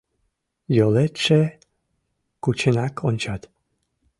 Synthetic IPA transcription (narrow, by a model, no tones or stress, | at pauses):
jolet̪ʃe | kut͡ɕenɑkʰonʲt͡ɕɑt̪